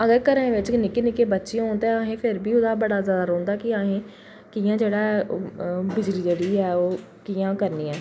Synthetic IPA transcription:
əɡəkəɾə̃ːʋɪt͡ʃnɪkeːnɪkeːbətːʃĩoːnd̪aaɦẽːpʰɪɾbʱiːʊd̪aːbəɽaːzjaːd̪aːɾõːnd̪aːkɪaːɦẽː | kijãːd͡ʒeːɽaː | bɪd͡ʒliːd͡ʒeːɽiːɛːoː | kiːãːkəɾnĩːɛ̃ː

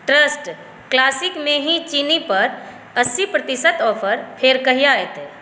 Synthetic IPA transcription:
ʈɾəsʈ | klaːsikmẽɦĩt͡ʃinipɐɾ | əsːipɾət̪isət̪ɔːpʰəɾpʰeɾkəɦijaet̪eː

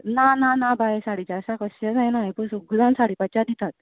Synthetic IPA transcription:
nananabajesaɽit͡ɕaəsãkəɕad͡zajnaipəɾsoɡud̪ãnsaɽiːpat͡ɕad̪it̪at̪̚

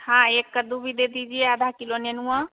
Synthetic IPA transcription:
hãekːəd̪ubʱid̪ed̪id͡ʒieəd̪ʱakilonenuə̃

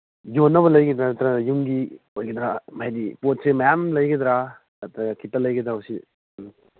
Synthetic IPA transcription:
jonːɐbɐlɐjɡid̪ɾat̪ɾajuŋɡi | ojɡid̪ɾamajdipot̚semɐjamlɐjɡid̪ɾa | ɐt̪ɾaɡɐkʰitɐlɐjɡid̪ɾawsi

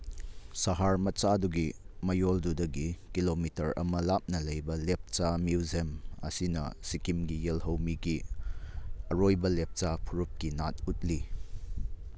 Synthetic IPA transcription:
sɐɦaɾmɐt͡ʃaduɡimɐjoldudɐɡikilomitɐɾɐ̰mɐlap̚nɐlɐjbɐlep̚t͡ʃamjuwzemɐ̰sinɐ̰sikimɡijelɦɐwmiɡi | ɐɾojbɐlep̚t͡ʃapʰuɾup̚kinat̚ut̚li

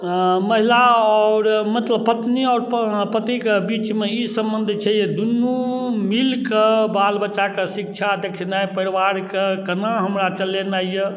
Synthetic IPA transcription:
məɦilaɔːɾmət̪ləb̚pət̪niɔːɾppət̪ikebit͡ʃmeisəmbənd̪ʱt͡ʃʰɛjed̪unːumilkebalbət͡ʃakesik̚t͡ʃʰad̪ekʰinajpəɾiʋaɾkekənaɦəmɾat͡ʃəlenajjə

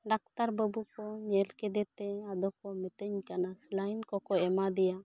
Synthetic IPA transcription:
ɖak̚t̪aɾbəbukɔɲɛlkɛd̪ɛt̪ɛad̪ɔkɔmɛt̪əɲkanaslajnkɔkɔɛmad̪ɛja

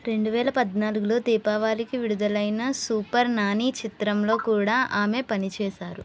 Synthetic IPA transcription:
ɾe̞ɳɖuʋɛːlɐpɐd̪naːluɡulo̞ːt̪iːpaːʋaːlikiʋiɽud̪ɐlɐjnɐsuːpɐɾnaːniːt͡ʃit̪ɾɐmlo̞ːkuːɽaːʔaːme̞ːpɐnit͡ʃɛːʃaːɾu

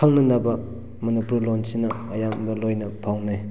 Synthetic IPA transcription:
aŋnɐnɐbɐ | mɐnipuɾlonsʰinɐːjambɐlojnɐpʰawnaj

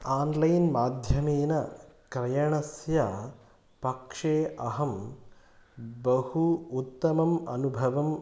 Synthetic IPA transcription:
aːnlɐjnmaːd̪ʱjɐmeːnɐkɾɐjɐɳɐsjɐ | pɐkʂeːɐɦɐm | bɐhuut̪ːɐmɐmɐ̰nubʱɐʋɐm

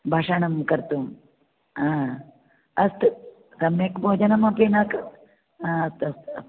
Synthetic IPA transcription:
bʱaʂɐɳɐmkɐɾt̪um | ãː | ɐst̪ɨ | sɐmjekbʱoːd͡ʒɐnɐmɐpinak | ãːɐst̪ɐst̪

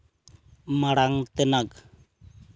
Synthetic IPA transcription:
maɽaŋt̪ɛnak

